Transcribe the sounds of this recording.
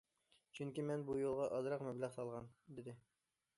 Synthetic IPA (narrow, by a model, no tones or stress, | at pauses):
t͡ʃʰyŋkʲimɛnbujolˠʁɑʔɑzɾɑqmɛblæʁsɑlˠʁɑnd̪ɪd̪ɪ